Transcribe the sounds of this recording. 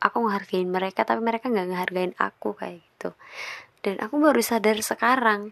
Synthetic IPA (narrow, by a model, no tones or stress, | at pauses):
ʔakuŋəɦarɡaɪnməɾekat̪apiməɾekaŋɡaʔŋəɦarɡaɪna̰kuka̰jaɡit̪ud̥anʔa̰kubaɾusadarsəkaɾaŋ